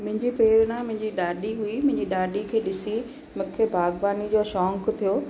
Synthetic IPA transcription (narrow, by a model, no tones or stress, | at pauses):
mʊ̃ɦɪ̃ɲd͡ʑipɾeːɾnãmʊ̃ɦɪ̃ɲd͡ʑiɗaːɗiɦuimʊ̃ɦɪ̃ɲd͡ʑiɗaːɗikʰeːɗɪsi | mʊ̃kʰebʱaːɡbaːnid͡ʑoːʃɔːŋkt̪ʰijoː